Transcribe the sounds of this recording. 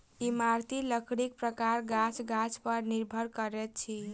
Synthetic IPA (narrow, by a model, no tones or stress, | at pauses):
imaɾt̪iləkʰɽik̚pɾəkaɾɡat͡ʃʰɡat͡ʃpəɾniɾbʱəɾkəɾɛt̪̚t͡ʃʰi